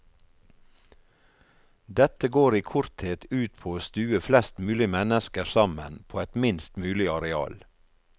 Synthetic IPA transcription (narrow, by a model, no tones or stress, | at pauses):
d̪ɛt̪əɡoːɾiːkʰʊɾt̪heːt̪ʉːt̪̚pʰoːoːst̪ʉːəflɛst̪mʉːlɪmɛnəskəsɑmə̰npʰoːɛt̪mɪnst̪mʉːlɪɑɾɛɑ̰ːl